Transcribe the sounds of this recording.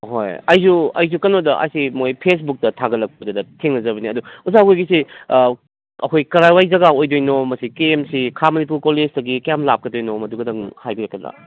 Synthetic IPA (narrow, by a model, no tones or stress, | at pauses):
ho̰jɐjsuɐ̰js̬ukɐnodɐʔɐ̰jsimojpʰes̬buk̚tɐtʰaɡɐlɐk̚pɐdɐdɐtʰeŋnɐzɐbɐniɐduuzaɡojɡisi | ɐkʰojkɐɾajwajzɐɡaojdojnomɐsikeːmsikʰamɐnip̬uɾkoled͡ʒdɐɡikɐjamlap̚kɐdojnomɐduɡɐdɐŋhajɡɐlɐkːɐdɾa̰